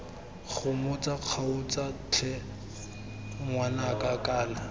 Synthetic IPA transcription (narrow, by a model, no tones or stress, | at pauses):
χʊmʊt͡sʼaq͡χʰaʊt͡sʼat͡ɬʰɛ | mwanakʼakʼaːla